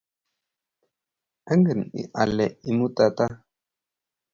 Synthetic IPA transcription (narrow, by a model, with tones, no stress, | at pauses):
a˦ŋɡə˨nḭ˨ʔa˨lɛ˨ʔi˨mu˦ta˨ta˦